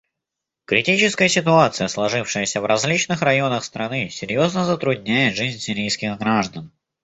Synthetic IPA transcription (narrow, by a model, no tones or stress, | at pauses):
kɾʲɪtʲit͡ɕɪskəjəsʲɪt̪ʊat̪sɨjəslˠɐʐɨfʂɨjəsʲəvɾɐzʲlʲit͡ɕnɨxrɐjo̞nəxst̪ɾɐnɨsʲɪɾʲjoznəzət̪ɾʊdʲnʲæjɪt̪ʐɨzʲnʲsʲɪɾʲijskʲɪxɡɾaʐd̪ən